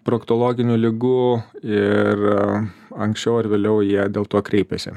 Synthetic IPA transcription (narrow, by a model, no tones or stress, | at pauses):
pɾokt̪oːlˠoːɡʲɪnʲuːlʲɪɡuɪr | ɐŋksʲt͡ʃʲɛʊɐɾʋʲeːlʲɛʊjiɛd̪ʲeːlˠt̪uɔkɾʲɛɪpʲɛsʲɪ̰